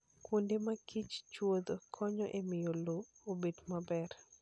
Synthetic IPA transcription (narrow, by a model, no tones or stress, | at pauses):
kwondemakʰit͡ʃt͡ʃwod̪okʰɔɲɔʔemɪjoloobedmabɛr